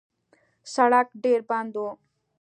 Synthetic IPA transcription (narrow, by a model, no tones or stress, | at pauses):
sɐɽakɖeːɾbãnd̪oː